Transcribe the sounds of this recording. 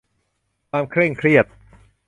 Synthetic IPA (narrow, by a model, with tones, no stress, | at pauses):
kʰaː˧mkʰɾe˥˩ŋkʰɾi˥˩ət̪̚